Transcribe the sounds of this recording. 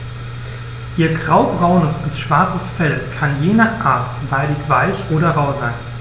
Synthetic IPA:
ʔiːɐɡʁaʊbʁaʊnəsb̥ɪsʃv̥aɐt͡səsfɛlkʰanjeːnaːχʔa̰ɐt | z̥aɪdɪçv̥aɪlçʔoːɾɐʁaʊzaɪn

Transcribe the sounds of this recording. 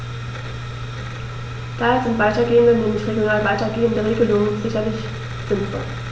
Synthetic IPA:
d̥aːezɪntv̥aɪtɐɡeːəndənɛːmlɪçʁeɡjonaːlvaɪtɐɡeːəndəʁeːɡəlʊŋənzɪçɐlɪç | z̥ɪnfɔ̰l

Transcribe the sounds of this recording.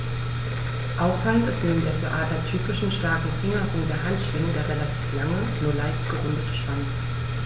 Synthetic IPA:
ʔaʊffaləntɪstneːbn̩deːɐɡeʔaːtɐtʰyːpɪʃn̩ʃtaɐkŋ̩fɪŋɐʁʊŋdeːɐɦantʃv̥ɪŋədeːɐʁelatʰiːflaŋə | nuːɐlaɪçtɡ̥əʁʊndətəʃv̥ant͡s

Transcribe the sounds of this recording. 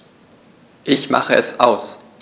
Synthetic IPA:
ʔɪçma̰χəʔɛsʔaʊs

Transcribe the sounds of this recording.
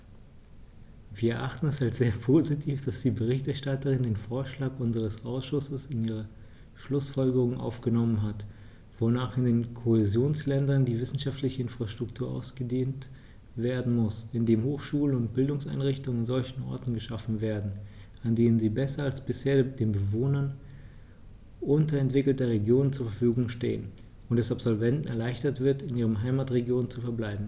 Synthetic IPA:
viːɐɛɐʔaχtn̩ɛsalsz̥eːɐpʰozitʰiːfd̥asd̥iːbəʁ̞ɪçtɛɐʃtatəʁɪndeːnfoːɐʃlaːkʔʊnzəʁ̞əsʔaʊsʃʊsəsɪniːʁ̞ɐ | ʃlʊsfɔlɡəʁ̞ʊŋənʔa̰ʊfɡ̥ənɔmənɦat | v̥onaːχɪndeːnkʰoezjoːnslɛndɐndiːvɪsn̩ʃaftlɪçəɪnfʁ̥aʃtʁ̥ʊktʰuːɐʔa̰ʊsɡ̥ədeːnt | v̥eːɐdn̩mʊsɪndeːmhoːxʃuːlənʊnt̚b̥ɪldʊŋsa̰ɪnʁɪçtʊŋnzɔlçn̩ʔɔ̰ɐtn̩ɡəʃafn̩veːɐdn̩ | andeːnənziːbɛsɐalsb̥ɪsheːɐd̥eːnbəvoːnɐn | ʔʊntɐɛntv̥ɪkl̩tɐʁeɡjoːnənt͡suːɐfɛɐfyːɡʊŋʃtḛːən | ʊntdɛsapz̥ɔlvɛntn̩ɛɐlaɪçtɐtv̥ɪɐtɪnʔiːʁ̞əmɦaɪmaːtʁeɡjoːnt͡sufɛɐblaɪbm̩

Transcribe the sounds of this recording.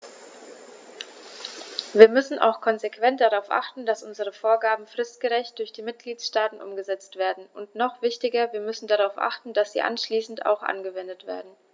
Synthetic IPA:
viːɐmʏsn̩ʔa̰ʊxkʰɔnzekv̥ɛntd̥aʁaʊfʔa̰χtn̩d̥asʔʊnzəʁ̞əfoːɐɡaːbm̩fʁ̥ɪstɡ̥əʁɛçt̚d̥ʊɐçd̥iːmɪt̚ɡ̥liːtsʃtaːtn̩ʔʊ̰mɡəzɛt͡stv̥eːɐdn̩ʔʊntnɔχv̥ɪçtɪɡɐviːɐmʏsn̩daʁaʊfʔa̰χtn̩d̥asz̥ḭːʔa̰nʃliːsn̩ta̰ʊxʔa̰nɡəvɛndətv̥ḛːɐdn̩

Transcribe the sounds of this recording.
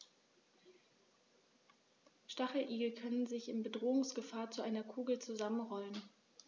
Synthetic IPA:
ʃtaχl̩ʔiːɡl̩kʰœnənzɪçɪnbədʁoːʊŋsɡ̥əfaːɐt͡suʔaɪnɐkʰuːɡl̩t͡suzamənʁɔlən

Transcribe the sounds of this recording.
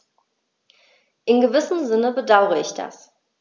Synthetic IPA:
ʔɪnɡəvɪsn̩zɪnəbədaʊʁəɪçd̥a̰s

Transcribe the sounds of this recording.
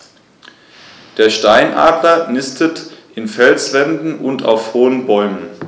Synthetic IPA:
d̥eːɐʃtaɪnʔa̰ːplɐnɪstʰətʔɪnfɛlsv̥ɛndn̩ʔʊntʰa̰ʊfhoːənbɔʏmən

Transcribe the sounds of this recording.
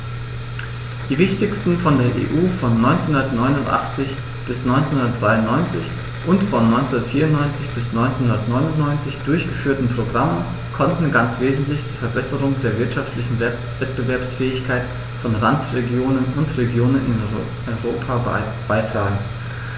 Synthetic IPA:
d̥iːvɪçtɪçstn̩fɔndeːɐʔḛːʔuːfɔnːɔʏnt͡senhundɐtnɔʏnʊntʔa̰χt͡sɪç | b̥ɪsnɔʏnt͡senhʊndɐtd̥ʁaɪʊnːɔʏnt͡sɪç | ʔʊntfɔnːɔʏnt͡sndɐtfiːɐʊnnɔʏnt͡sɪçb̥ɪsnɔʏnt͡senhʊndɐtnɔʏnʊntnɔʏnt͡sɪçd̥ʊɐçɡ̥əfyːɐtn̩pʁ̥oɡʁamən | kʰɔntn̩ɡant͡sv̥eːzn̩tlɪçd̥iːfɛɐbɛsəʁʊŋdeːɐvɪɐtʃaftlɪçn̩ | vɛt̚b̥əvɛɐpsfɛːɪçkʰaɪt | fɔnʁantʁeɡjoːnənʊntʁeɡjoːnənɪ̰n | ʔɔʏʁoːpʰa | b̥aɪtʁ̥aːɡŋ̩

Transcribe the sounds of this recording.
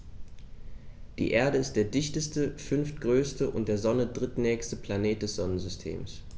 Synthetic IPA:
d̥ḭːʔeːɐdəɪst̚d̥eːɐdɪçtəstəfʏnft̚ɡ̥ʁøːstəʔʊ̰ntd̥eːɐzɔnədʁɪtnɛːçstəplaneːt̚d̥ɛsz̥ɔnənzʏstʰḛːms

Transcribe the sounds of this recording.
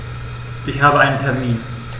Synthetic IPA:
ʔɪçɦaːbəaɪntʰɛɐmiːn

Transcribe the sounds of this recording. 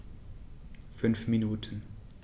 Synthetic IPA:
fʏnfminuːtʰən

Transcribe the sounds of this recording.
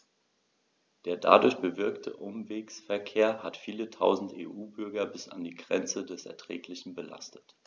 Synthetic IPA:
d̥eːɐda̰dʊɐçb̥əvɪɐktʰə̰ʔʊmveːksfɛɐkʰeːɐhatfiːlətʰaʊzn̩tḛːʔuːbʏɐɡɐbɪsa̰ndiːɡʁɛnt͡sədɛsɛ̰ɐtʁ̥ɛ̰ːklɪçn̩bəla̰stʰə̥t

